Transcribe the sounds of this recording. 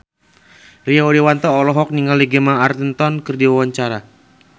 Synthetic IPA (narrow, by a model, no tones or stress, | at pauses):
riaoɾewant̪ɔːlɔɦɔk̚niŋaliɡemaːrt̪ənt̪ɔnkɨrdiwawaɲt͡ʃaɾa